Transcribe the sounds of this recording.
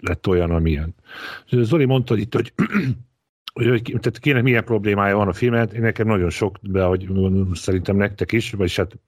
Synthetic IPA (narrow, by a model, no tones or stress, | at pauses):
lɛt̪ːo̞jɒnɒmijɛn | zolimo̞nt̪ɒhoit̪ːho̞ɟ | hoockt̪at̪keːnɛkmijɛmpro̞bleːmaːjɒvɒnɒfilmɛt̪eːnːɛkɛmnɒɟo̞nʃo̞kbɛɦo̞ɟɡosɛɾint̪ɛmnɛk̚t̪ɛkiʃvɒɟʃhaːt̪